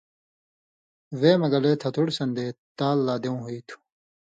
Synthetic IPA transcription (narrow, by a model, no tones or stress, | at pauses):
weːmɐɡɐleːt̪ʰɐt̪ʰuɽsɐnd̪eːt̪aːlːaːd̪eũɦuit̪ʰu̥